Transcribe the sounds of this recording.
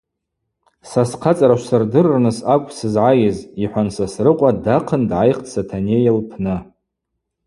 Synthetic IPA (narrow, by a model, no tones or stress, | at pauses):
sasqʰat͡sʼaɾaʃʷsɨrdɨrːnɨsakʷʰʼsɨzʕajɪziħʷansasrɨqʷʼadaqʰəndʕajχtʰsʰatʰanejalpʰnɨ